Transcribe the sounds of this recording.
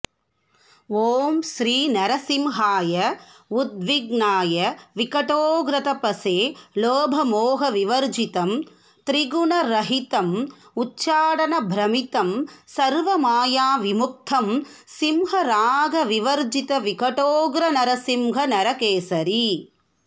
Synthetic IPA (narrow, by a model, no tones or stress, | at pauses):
oːmʃɾiːnɐɾɐsimɦaːjɐud̪̚ʋiɡnaːjɐʋikɐʈoːɡɾɐt̪ɐpɐseːloːbʱɐmoːɦɐʋiʋɐɾd͡ʒit̪ɐm | t̪ɾiɡuɳɐɾɐɦit̪ɐmutːt͡ʃːʃaːɽɐnɐbʱɾɐmit̪ɐmsɐɾʋɐmaːjaːʋimuk̚t̪ʰɐmsimɦɐɾaːɡɐʋiʋɐɾd͡ʒit̪ɐʋikɐʈoːɡɾɐnɐɾɐsimɦɐnɐɾɐkeːsɐɾi